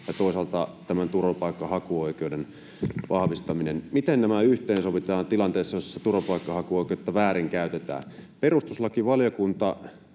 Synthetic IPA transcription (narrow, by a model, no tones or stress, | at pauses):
jɑt̪oˑisɑlt̪ɑt̪æmænt̪uropɑikːɑhɑkuoikeuden | ʋʔɑhʋist̪ɑminenmit̪ennæmæyht̪eːnsoʋit̪ɑːnt̪ilɑnt̪eːsːɑjosːet̪uropɑikːɑhɑkuoˑikeot̪ːɑʋæːɾiŋkæyt̪et̪æ̰ːperust̪uslɑkiʋɑljokunt̪ɑ